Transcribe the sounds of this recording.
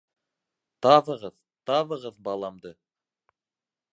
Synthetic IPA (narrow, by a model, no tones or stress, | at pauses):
t̪ʰɑβəʁəð̥ | t̪ʰɑβəʁəzbɑlˠɑmd̪ə